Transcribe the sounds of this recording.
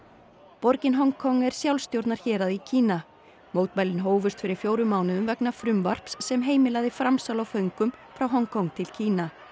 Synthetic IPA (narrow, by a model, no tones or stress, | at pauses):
pɔɾcɪnɦɔŋkʰɔŋːɛɾ̥sjawlst̪jowɾt̪naɾ̥çɛːɾaðicʰiːna | moːwt̪majlɪnɦoːwvʏst̪fɪɾɪɾ̥fjoːwɾʏmaːwnʏʏmvɛknafɾʏmvar̥psːɛmɦeːjmɪlaɣðɪfɾamsawlawfœɥŋkʏmfɾawɦɔŋkʰɔŋt̪ʰɪlcʰiːna